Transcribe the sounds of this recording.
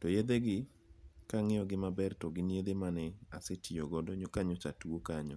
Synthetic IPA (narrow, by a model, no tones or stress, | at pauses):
tojed̪eɡɪ | kaŋɪjɔɡɪmabɛrtɔɡɪnied̪emanɛasetʰioɡɔdɔɲokaɲɔt͡ʃatuokaɲɔ